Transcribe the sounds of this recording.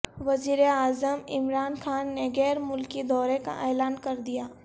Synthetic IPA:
ʋɐziːɾeaːzəmɪmɾaːnxaːnːeɡɛːɾmʊlkid̪ɔːɾeka̰ʔɛːlaːnkɐɾd̪ijaː

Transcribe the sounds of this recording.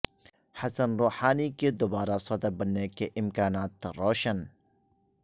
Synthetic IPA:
hɐsənɾoːħaːniked̪obaːɾasɔd̪ɐbɐnːekeʔɪmkaːnaːt̪ɾoːʃən

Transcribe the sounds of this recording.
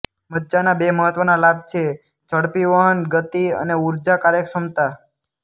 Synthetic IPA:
məd͡ʒanabeməɦət̪ʋənalab̚t͡ʃʰe | t͡ʃəɽpiʋaɦənɡət̪iə̰neuɾd͡ʒakaɾeksəmt̪a

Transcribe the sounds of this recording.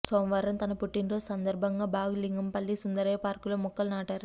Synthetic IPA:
soːmʋɐɾɐmt̪ɐnɐpʊʈːinɾoːsɐnd̪ɐɾbʱɐŋɡɐbaːɣɯliŋɡɯmpɐlːisʊnd̪ɐɾɐjɐpaːɾkɯlomːɔkːɐlnaːʈːɐɾ

